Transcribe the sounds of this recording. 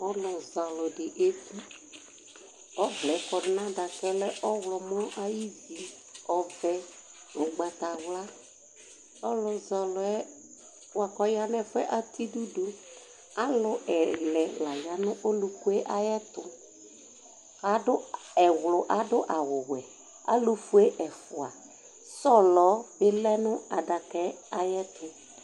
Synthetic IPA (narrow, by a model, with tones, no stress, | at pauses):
ɔ˦lʊ˨za˨lʊ˨ɖɪ˨ʔe˦ti˦ | ɔ˦vlɛ˨˦kɔ˨ɖɪ˨nã˦da˨kɛ˦lɛ˦ʔɔ˦wlɔ˨mɔ˦ʔa˦ji˦zi˨ | ɔ˨vɛ˨ | lʊ˨ɡ͡ba˨t̪a˨wla˦ | ɔ˦lʊ˨za˨lʊ˨ɛ˦ | wa˨kɔ˦ja˦nɛ˦fɛ˦ʔa˨t̪i˦du˦do˨ | a˦lʊ˨ɛ˨lɛ˨la˨ja˨nʊ̃˦ʔo˦lu˨fu˦ɛ˦ʔa˦jɛ˦t̪ʊ˨ | ka˨˦dʊ˦ | ɛ˨wlʊ˨ʔa˨dʊ˦ʔa˨wʊ˨wɛ˨ | a̰˦lu˨fu˨e˦ʔɛ˨fʊ˨a˨ | sɔ˦lɔ˨˦bɪ˦lɛ˦nʊ˦a˨da˨kɛ˨˦a˨jɛ˦t̪ʊ˦